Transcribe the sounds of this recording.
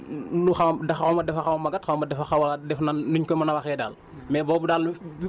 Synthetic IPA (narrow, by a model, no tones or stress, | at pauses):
luxɐwdɐxɐwmɐdɛfɐxɐwɐmɐɡɐtxɐwmɐdɛfɐxɐwɐdɛfnanːuɲkɔmɐnɐwɐxɛːdaːl | mɛːbɔːbudaːl